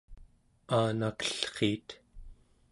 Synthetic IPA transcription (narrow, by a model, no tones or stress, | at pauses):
aːnakə̥ɬχiːt̪